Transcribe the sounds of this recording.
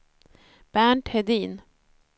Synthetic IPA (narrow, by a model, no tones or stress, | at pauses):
b̥æːɳʈhɛd̪iːn